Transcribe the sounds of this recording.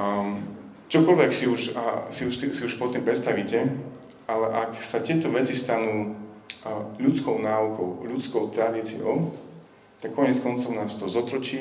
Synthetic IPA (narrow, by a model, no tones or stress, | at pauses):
t͡ʃɔkɔlʋɛksiuʃsiuʃisiuʃpɔt̪ːiːmpɾɛt̪st̪aʋiːcɛ | alɛʔaksat̪ɪɛt̪ɔʋɛt͡sist̪anuː | ʎut͡skɔʊnaːukɔʊʎut͡skɔʊt̪ɾad̪iːt͡sijɔ̰ʊ | t̪akːɔɲɛt͡skɔnt͡sɔʊnaːst̪ɔzɔt̪ɾɔt͡ʃiː